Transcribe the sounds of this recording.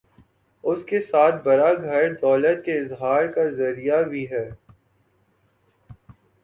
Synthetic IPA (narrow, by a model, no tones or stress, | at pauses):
ʊskesaːt̪̚ʰbɐɾaɡʱɐɾd̪ɔːlət̪̚keɪzɦaːɾkazɐɾijabʱiɦɛː